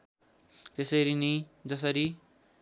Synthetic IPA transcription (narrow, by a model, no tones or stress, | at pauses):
t̪esʌɾinid͡zʌs̬ʌɾi